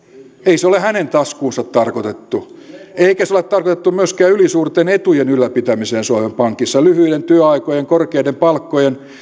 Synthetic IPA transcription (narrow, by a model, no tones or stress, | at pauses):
eiseolehænent̪ɑskuːnsɑt̪tɑrkot̪et̪ːu | eikæseolet̪t̪ɑrkot̪et̪ːumyøskæːylisuːrt̪enet̪ujenylːæpit̪æmiseːnsuɑʋempɑŋkisːɑlyhyjdent̪yøɑikojeŋkorkeidempɑlkːojen